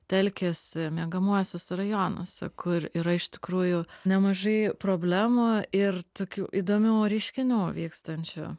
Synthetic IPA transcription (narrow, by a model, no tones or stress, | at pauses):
t̪ʲɛlʲkʲeːsʲɪmʲiɡɐmuɔsʲoːsrɐjoːno̰ːsʲɛ̰kʰʊriɾɐɪʃt̪ʲɪ̥kɾuːjʊnʲɛmɐʒɐɪpɾoːbʲlʲæːmʊɪrt̪oːkʲuːʔid̪oːmʲuːɾʲɛɪʃʲkʲɪnʲuːʋʲiːkst̪ɐnʲt͡ʃʲʊ̰